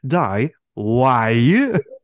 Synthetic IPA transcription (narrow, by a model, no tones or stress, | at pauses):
daɪ | waɪjɨ